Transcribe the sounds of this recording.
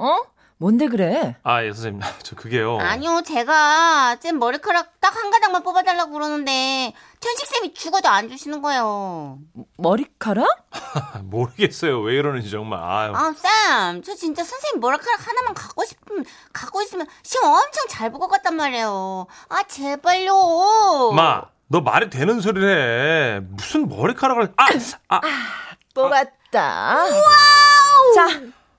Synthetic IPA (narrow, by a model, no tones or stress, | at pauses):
ʌ | mʌnde̞ɡɯɾe̞ajesʰʌseat͡ɕʌkɯɡe̞joaɲiot͡ɕe̞ɡas͈emːʌɾikʰaɾat͈akhaŋɡadaŋmanp͈obadaɭːaɡokɯɾʌnɯnde̞ | tʰjʌnɕʰik̚s͈emit͡ɕuɡʌdoand͡ʑuɕʰinɯnɡʌe̞jo | mʌɾikʰaɾa | moɾɯɡes͈ʌjoweɯɾʌnɯnit͡ɕʌŋma̰ɭa̰as͈amt͡ɕʌt͡ɕint͡ɕ͈asʰʌnsʰeŋimʌɾakʰaɾakhanamjʌnkak͈oɕʰi̥pʰɯ | kak͈ois͈ɯmjʌnt͡ɕʰiɡɯmʌmt͡ɕʰʌŋt͡ɕaɭboɡʌk͈at̚t͈anmaɾe̞joat͡ɕebaʎːo | ma | nʌma̰ɾitwe̞nɯnsʰoɾiɾe | musʰɯnmʌɾikʰaɾaɡaɭa | moɡat̚ | t͈a̰a | t͡ɕa